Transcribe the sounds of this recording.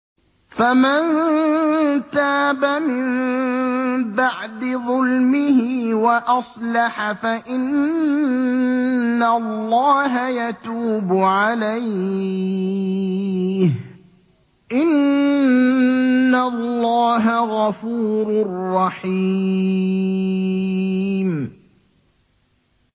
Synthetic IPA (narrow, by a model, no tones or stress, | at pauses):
faman | t̪aːbamɪn | baʕd̪ɪðˤʊlmɪhɪwaʔɑsˤlɑħafaʔɪn | alːɑːɦajat̪uːbʊʕalaj | h | ʔɪn | alːɑːɦaɣɑfuːɾʊrːɑħi | m